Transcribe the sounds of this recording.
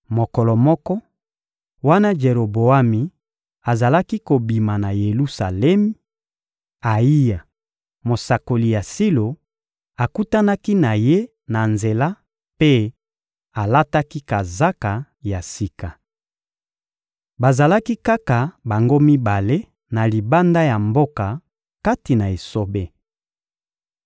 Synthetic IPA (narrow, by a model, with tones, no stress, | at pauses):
mo˨kɔ˨lɔ˨mɔ˦kɔ˦ | wa˦na˦d͡ʒe˨ʁo˨bo˨a˦mi˨ | a˨za˨la˦ki˦ko˨bi˨ma˨na˨je˨lu˦sa˨lɛ˦mi˦ | a˨i˦ja˨ | mo˨sa˨ko˨li˨ja˨si˦lo˨ | a˨ku˦ta˦na˦ki˦na˨je˦ | na˨nze˨la˦ | pe˦ | a˨la˦ta˦ki˦ka˨za˦ka˨ | ja˨si˦ka˨ | ba˨za˨la˦ki˦ka˦ka˨ba˨ŋɡo˦mi˦ba˨le˦ | na˨li˨ba˦nda˦ja˨mbo˦ka˨ | ka˦ti˨na˨e˨so˦be˦